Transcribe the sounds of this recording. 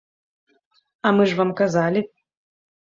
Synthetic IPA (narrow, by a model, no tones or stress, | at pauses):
ɐmɨʐvamkazalʲɪ